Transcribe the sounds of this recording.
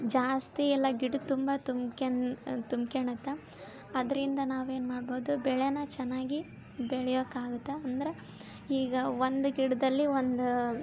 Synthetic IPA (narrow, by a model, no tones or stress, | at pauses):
d͡ʒaːst̪iɛlːɐɡiɖt̪umbɐt̪umket̪umkeɳɐt̪ːe | ɐd̪ɐɾind̪ɐnaːʋe̞ːnmaːɽbo̞ːd̪ubɛɭenɐt͡ʃɛnːaːɡi | bɛɭɛjoːkːaːɡut̪ːeɐnd̪ɐɾe | iːɡɐʋond̪uɡiɽd̪ɐlːiʋond̪u